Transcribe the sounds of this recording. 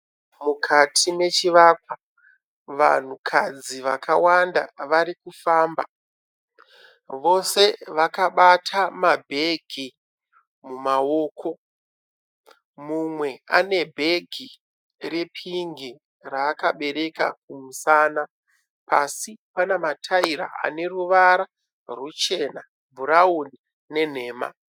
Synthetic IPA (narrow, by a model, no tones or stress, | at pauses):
mukʰatʰime̞t͡ʃiʋakwa | ʋa̰n̤ukʰad͡ziʋakʰawandaʋaɾikufaːmba | ʋo̞se̞ʋakaɓatʰamabʱe̞ɡʱi | mumao̞ːkʰo̞ | mumwe̞a̰ne̞bʱe̞ɡʱi | re̞pʰiŋɡi | raːkaɓe̞ɾe̞ka̰k̚umusaːna | pasipanamatʰaiɾa̰a̰ne̞ruʋaɾa | rut͡ʃe̞na | bʱuɾauni | ne̞n̤e̞ːma̰